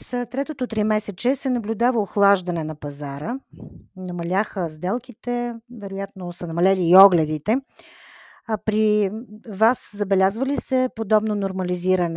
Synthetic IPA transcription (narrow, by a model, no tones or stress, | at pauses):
st̪ɾɛt̪ot̪ot̪ɾimɛsɛt͡ʃɛsɛnɐblʲud̪avəoxlˠaʒd̪ɐnɛnɐpɐzaɾə | nɐmɐlʲaxəzd̪ɛlˠkit̪ɛvɛɾojat̪nosənɐmɐlʲɛliːɔɡlʲɛd̪it̪ɛ | pɾi | vaszɐbɛlʲazvəlisɛpod̪ɔbn̪onoɾmɐliziɾənɛ